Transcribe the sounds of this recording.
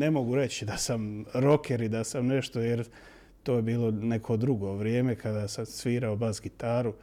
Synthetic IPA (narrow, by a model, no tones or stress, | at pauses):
ne̞mo̞ɡuɾe̞t͡ɕid̪asamɾo̞kʰeɾid̪asamne̞ʃt̪o̞jeɾ | t̪oːjebiːlo̞ne̞kʰo̞d̪ɾuɡo̞ːʋɾjeːme̞kʰad̪aːsamsʋiːɾaobazɡit̪aːɾu